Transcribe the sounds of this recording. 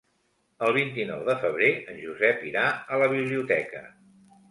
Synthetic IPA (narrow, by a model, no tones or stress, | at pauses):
əlˠβ̞int̪inɔwðəfəβ̞ɾeənʲʒuzɛpiɾaələβ̞iβliut̪ɛkə̰